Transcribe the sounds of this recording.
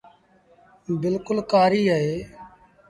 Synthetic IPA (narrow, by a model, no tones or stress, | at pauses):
bɪlkʊlkaːɾiːɦəɦeː